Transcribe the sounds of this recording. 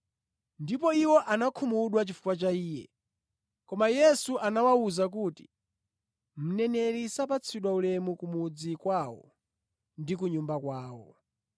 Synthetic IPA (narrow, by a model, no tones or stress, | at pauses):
ndipɔiwɔʔanakʰumuɗwat͡ʃifu̥kwat͡ʃaiːjɛ̰ | kɔmajɛsuʔanawauzak̬uːti̥ | m̩nɛnɛɾisapat͡sʰiɗwaulɛmukumud͡zikwawɔ̰ | ndik̬uɲumbakwaːwɔ